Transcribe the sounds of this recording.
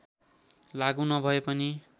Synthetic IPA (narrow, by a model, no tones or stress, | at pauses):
laɡũnʌbʱʌepʌni